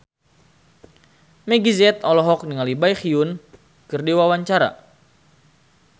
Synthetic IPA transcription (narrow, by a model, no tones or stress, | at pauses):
mɛɡizɛt̪ɔlɔɦɔk̚niŋalibajxiun | kɨrdiwawaɲt͡ʃaɾa̰